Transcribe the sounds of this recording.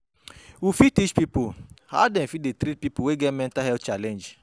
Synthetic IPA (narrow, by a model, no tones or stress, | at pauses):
ufitit͡ʃpipuha̰dɛ̃nfidetɾit̚pipuweɡɛmɛ̃ntahɛt͡ʃalɛ̃nd͡ʒ